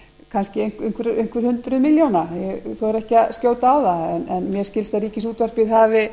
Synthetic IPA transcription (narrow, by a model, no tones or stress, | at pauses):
kʰanscɪŋkeŋ̥kvʏɾejŋ̥kvʏɾ̥hʏnt̪ɾʏðmɪljownajɛθoɛɾɛhcɪaðscowt̪aaːwðaɛnɛnmjɛɾ̥scɪlst̪aɾiːcɪsuːt̪var̥pɪðɦaːvɪ